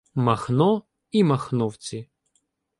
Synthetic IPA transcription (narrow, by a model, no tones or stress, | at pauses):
maxnɔ | imaxnɔwt͡sʲi